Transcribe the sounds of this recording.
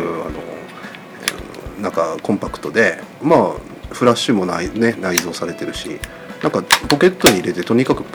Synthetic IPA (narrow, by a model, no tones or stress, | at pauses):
a̰no̞̰ | nãŋkakõ̞mpakɯ̟̥t̪o̞d̪e̞maː | ɸɯ̟ɾaɕːɨmo̞naine̞naizo̞ːsaɾe̞t̪e̞ɾɯ̟ɕḭ | nãŋkapo̞ke̞t̪ːo̞ɲ̟iːɾe̞t̪e̞t̪o̞ɲ̟ikakɯ̟